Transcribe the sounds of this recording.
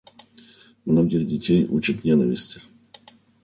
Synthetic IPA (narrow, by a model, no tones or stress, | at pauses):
mnoɡʲɪxdʲɪtʲejut͡ɕɪt̪nʲenəvʲɪ̰sʲtʲɪ̥